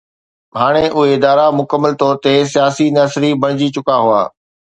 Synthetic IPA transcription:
ɦaːɽ̃eʔʊɦeɪd̪aːɾamʊkəmːəlt̪ɔːɾt̪esijaːsinɐsɾibɐɽ̃ɪd͡ʑit͡ɕʊkaɦʊa̰ː

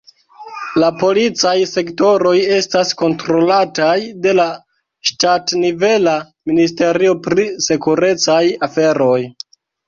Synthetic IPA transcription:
lapo̞lit͡sajse̞kto̞ɾo̞je̞stasko̞ntɾo̞latajde̞la | ʃtatnive̞la | minis̬te̞ɾio̞pɾise̞kuɾe̞t͡sajafe̞ɾo̞j

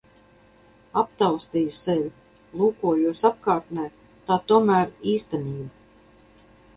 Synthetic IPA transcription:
apt̪awst̪iːjusɛvʲ | lˠuːkuɔjuɔsap̚kaːɾt̪nʲɛː | t̪aːt̪uɔmæːɾiːst̪ɛniːba

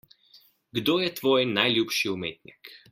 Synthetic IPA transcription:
ɡd̪oːjɛt̪ʋoːjnajlʲjuːpʃiumḛːt̪nʲik

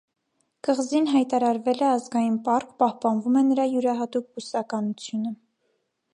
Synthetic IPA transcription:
kəʁzinɦɑjt̪ɑɾɑɾvɛlɛɑzɡɑjinpɑɾkʰpɑhpɑnvumɛnəɾɑjuɾɑɦɑt̪uk̚busɑkɑnut͡sʰjunə

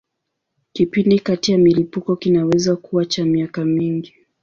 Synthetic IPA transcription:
kipindikatijamilipukɔkinawɛzakuwat͡ʃamiakamiŋɡi

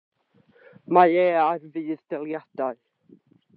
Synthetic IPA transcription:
maɛːarvɨːðd̥ɛlˠjad̥aɨ

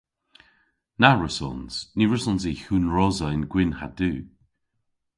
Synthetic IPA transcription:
naɹəsɔ̰nsniɹəsɔnz̬iːhuːnɹɔzəɪnɡ̥wɪnha̰duː

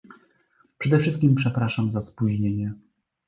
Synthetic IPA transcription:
pʂɛd̪ɛfʂɘst̪̚kʲimpʂɛpɾaʂamzaspuʑɲeɲɛ

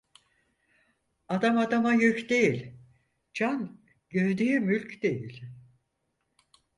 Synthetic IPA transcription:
ad̪amad̪amajycd̪e̞jilʲ | d͡ʒan | ɟøɾd̪yjymylʲcʰd̪e̞jilʲ

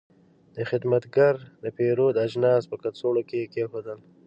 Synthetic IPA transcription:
d̪̥əxɪd̪mat̪ɡaɾd̪əpeɾod̪ad͡ʒnɑːspəkasoɽokekexod̪əl

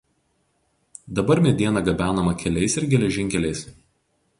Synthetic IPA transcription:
d̪ɐbɐɾmʲɛd̪ʲiɛnɐɡɐbʲæːnɐmɐkʲɛlʲɛɪsɪɾɡʲɛlʲɛʒʲɪŋʲkʲɛlʲɛɪs

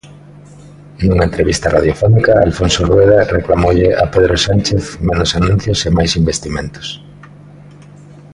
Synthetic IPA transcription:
nuŋaent̪ɾeβist̪ɐrað̞jofonikaalfonsorwejðareklamowʎɪʔapeðɾosant͡ʃeθmenosanũn̟θjosemajsimbest̪imẽnt̪ʊ̥s

